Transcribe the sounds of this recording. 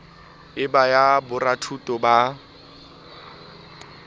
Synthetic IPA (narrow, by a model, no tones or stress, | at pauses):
ɪbajabʊratʰutʼɔba